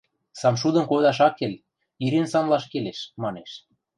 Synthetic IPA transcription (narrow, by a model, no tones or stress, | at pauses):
sɑmʃud̪ɤ̆nkod̪ɑʃ̬ɑkːelʲ | iɾensɑnlɑʃkeleʃmɑneʃ